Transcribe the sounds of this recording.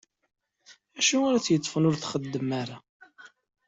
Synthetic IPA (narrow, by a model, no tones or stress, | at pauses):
æʃuaɾæt͡sjət̪ˤːfənʊɾθχəd̪ːəmaɾa